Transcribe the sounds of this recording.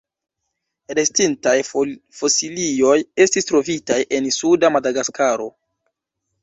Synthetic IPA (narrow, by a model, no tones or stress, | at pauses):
ɾe̞stintajfo̞silijo̞je̞stistɾo̞vitajʔe̞nsudamadaɡaskaɾo̞